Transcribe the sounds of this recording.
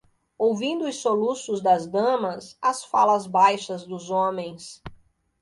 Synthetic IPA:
owvĩnd̪ʊʊsːolusʊzd̪ɐzd̪ɐ̃mɐsɐsfa̰lɐzbajʃɐzd̪ʊzõmẽj̃s

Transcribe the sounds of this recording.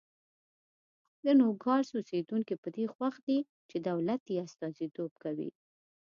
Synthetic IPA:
d̪ənoɡɑɽsosed̪uŋkipəd̪exwaxd̪i | t͡ʃed̪awlat̪jeast̪ɑzit̪ob̚kawḭ

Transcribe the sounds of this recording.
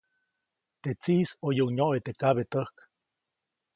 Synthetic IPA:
t̪et͡sisojəuɲoʔet̪ekaβet̪əhk

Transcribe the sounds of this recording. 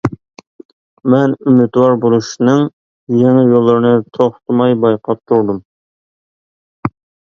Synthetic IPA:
mɛnymɪt̪wɑɾbolˠuʃinɨŋ | jeŋɛjolˠːɨɾnɨt̪ʰoχt̪ʰɨmɑjbɑjqʰɑp̚t̪ʰuɾd̪um

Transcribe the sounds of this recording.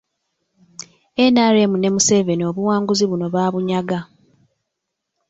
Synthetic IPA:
enaːɾe̞ːmune̞muse̞ve̞nio̞βuwaːŋɡuziβuno̞βaːβuɲaɡa

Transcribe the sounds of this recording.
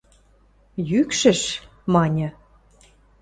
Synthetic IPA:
jykʃə̆ʃ | mɑnʲɤ̆

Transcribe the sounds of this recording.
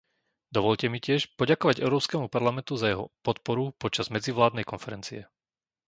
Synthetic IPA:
d̪ɔʋɔʎcɛmicɪɛʃpɔɟakɔʋaɟɛʊɾɔːpskɛːmupaɾlamɛnt̪uzajɛɦɔ̰pɔt̪pɔɾupɔt͡ʃazmɛd͡ziʋlaːd̪nɛjkɔnfɛɾɛnt͡siɛ

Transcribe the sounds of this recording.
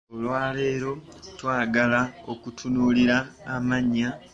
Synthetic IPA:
olwaːle̞ːɾo̞twaːɡalao̞kutʰunuːliɾaːmaɲːa

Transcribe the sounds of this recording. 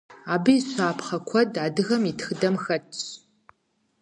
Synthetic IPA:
aːbɨiɕʷaːpʰχɐkʷʰɔdaːdɨɣɐmitʰxɨdɐmxɐtʰʼ

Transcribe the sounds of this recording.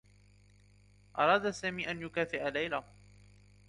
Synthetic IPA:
ʔɑɾˤɑːd̪asaːmiːʔanjʊkaːfɪʔalajla

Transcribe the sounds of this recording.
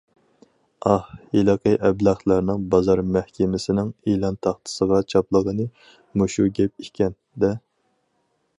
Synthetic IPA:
ɑhelˠɑqʰəʔɛblæχlˠæɾnɪŋbɑzɑɾmæhkʲɪmɪsɪnɪŋilˠɑnt̪ʰɑχt̪ʰɨ̥səʁɑt͡ʃʰɑplˠəʁənɨ | muʃuɡʲɛp̚ikʲʰɛn | d̪ɛ

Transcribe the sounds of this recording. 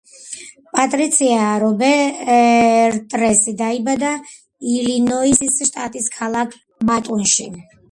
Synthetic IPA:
pʼat̪ʼɾit̪sʰiaɾɔbɛ | ɾt̪ʼɾɛsid̪aibad̪a | ilinɔisisʃt̪ʼat̪ʼiskʰalˠakʰ | bat̪ʼɔnʃi

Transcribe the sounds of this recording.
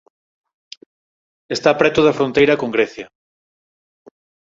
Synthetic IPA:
est̪apɾɛt̪ʊðɐfɾõnt̪ejɾɐkoŋɡɾɛθjɐ

